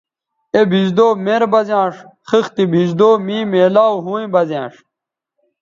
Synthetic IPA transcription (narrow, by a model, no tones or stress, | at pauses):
ebʱid͡ʑd̪oːmeɾbɐzãːʂxixt̪ibʱiʑd̪oːmiːmeːlaːwɦũːẽbɐzjã̰ːʂ